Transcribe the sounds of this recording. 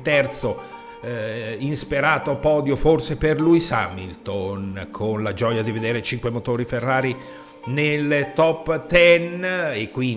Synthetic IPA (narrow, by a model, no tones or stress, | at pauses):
t̪ɛrt̪so | inspiɾaːt̪opɔːd̪joforseperlujsa̰milt̪onkʰonlad͡ʒɔjad̪ived̪eːɾet͡ʃiŋkwemot̪oːɾiferːaːɾi | nelt̪ɔpːt̪ɛnekːwi